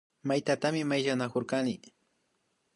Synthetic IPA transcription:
majt̪at̪amɪmajʒanakoɾkanɪ

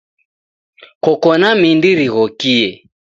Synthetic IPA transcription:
kɔkɔnamindiɾiɣɔkiɛ

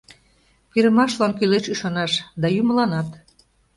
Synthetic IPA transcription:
piɾəmɑʃlɑnkyleʃyʃɑnɑʃd̪ɑjuməlɑnɑt̪

